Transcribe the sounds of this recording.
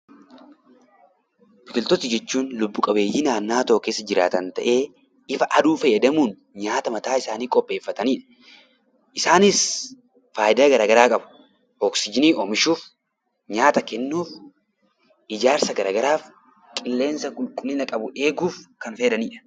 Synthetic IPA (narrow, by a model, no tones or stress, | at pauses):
b̥ɪkɪlt̪ɔt̪ɪd͡ʒɛt͡ʃːuːnlʊbːʊkʼɐbe̞ːjːiːnaːnːaːt̪oːkeːsːɐd͡ʒɪɾa̰ːt̪ɐnt̪ɐʔe̞ː | ɪfɐʔɐd̪uːfɐjɐd̪ɐmuːn | ɲaːt̪ɐmɐt̪aːɪsaːniːkʼɔpʼːe̞ːfːɐt̪ɐniːᶑɐ̥ | ʔɪsaːnɪs | faːjɪd̪ɐɡɐɾaːɡɐɾaːkʼɐbʊ̥ | hɔksɪd͡ʒɪniːʔɔmɪʃuːf | ɲaːt̪ɐkɛnːuːf | ɪd͡ʒaːɾsɐɡɐɾaːɡɐɾaːf | kʼɪlːe̞ːnsɐkʼʊlkʼʊlːɪnɐkʼɐbʊʔe̞ːɡuːfkɐnfeːd̪ɐniːᶑɐ̥